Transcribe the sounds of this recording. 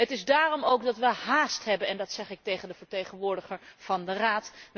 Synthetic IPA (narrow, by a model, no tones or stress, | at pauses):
ɦətɪzdaːrɔmowkdɑtʋəɦaːstɦɛbənɛndɑtsɛχɪk̚tejχəndəvəɹtejχənʋʊːɹdəχəɹv̥ɑndəraːt